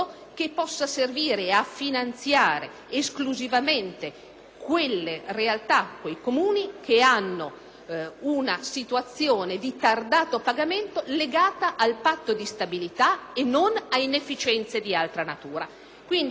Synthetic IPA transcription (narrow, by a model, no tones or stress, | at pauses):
o | k̟epːɔsːaserviːɾeafːinant̪sjaːɾeː | skluzivament̪e | kwelːerealt̪akːwejkomuːnik̟ʰeanːo | unasit̪uat̪sːjoːned̪it̪ard̪aːt̪opaɡament̪oleɡaːt̪aʔalpat̪ːod̪ist̪abilit̪aenːonainefːit͡ʃɛnt̪sed̪ialt̪ɾanat̪uːɾa | kwind̪